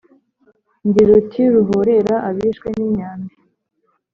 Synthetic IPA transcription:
ɲɡiɾutʰiɾuɦoɾe̞ɾaʔaβiːʃkwe̞nimɲaːndi

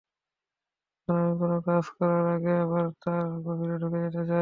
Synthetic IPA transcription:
onamikonokad͡ʑkɔɾaɾaɡeaβaɾt̪aɾɡobʱiɾeɖʱuked͡ʑeʈed͡ʑa

